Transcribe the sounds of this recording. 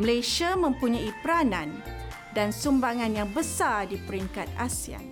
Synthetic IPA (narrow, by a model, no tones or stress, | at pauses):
məlajʃiamə̃mpuɲãipəɾanãn | dansumbaŋãnjaŋbəsardipəɾiŋkat̪̚ʔasia̰n